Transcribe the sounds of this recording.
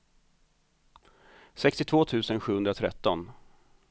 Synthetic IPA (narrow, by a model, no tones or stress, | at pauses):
sɛkst̪ɪt̪ʰv̥oːt̪ʰʉ̟ːsənɧʉːhɵnd̪ɾat̪ʰɾɛ̰t̪ːɔn